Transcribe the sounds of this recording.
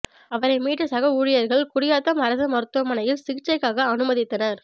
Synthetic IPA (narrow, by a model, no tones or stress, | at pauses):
ɐʋɐɾɐɪmiːʈːɐsɐɣɐuːɻɪjɐɾɣɐɭkʊɽɪjaːt̪ːɐmɐɾɐsɐmɐɾɯt̪ːɯʋɐmːɐnɐjɪlsɪɣɪt͡ʃːɐɪkːaːɣɐːnɯmɐðɪt̪ːɐnɐɾ